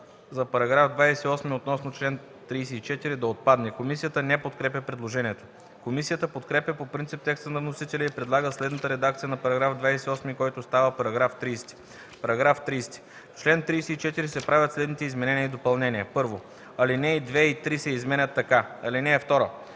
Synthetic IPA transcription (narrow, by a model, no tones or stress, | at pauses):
zɐpɐɾɐɡɾafd̪vajsɛiɔsmiot̪nɔsnot͡ʃlɛn | t̪ɾiːsɛit͡ʃɛt̪iɾid̪ɐot̪̚pad̪nɛkomisijət̪ənɛpot̪kɾɛpʲəpɾɛd̪lˠoʒɛniɛt̪o̥ | komisijət̪əpot̪kɾɛpjəpopɾint̪ip̚t̪ɛkst̪ənɐvnosit̪ɛlʲɛipɾɛd̪lˠaɡəslɛd̪nət̪əɾɛd̪ak̚t̪sijənɐpɐɾɐɡɾafd̪vajsɛiɔsmikɔjt̪ost̪avəpɐɾɐɡɾaft̪ɾijst̪i̥ | pɐɾɐɡɾaft̪ɾiːst̪i̥ | ft͡ʃlɛnt̪ɾijsɛit͡ʃɛt̪iɾisɛpɾavʲjət̪slɛd̪nit̪ɛizmɛnɛnijəid̪opɐlˠnɛniəpɤɾvo | ɐlinɛid̪vɛit̪ɾisɛizmɛnʲət̪ːɐkaɐlinɛːft̪ɔɾo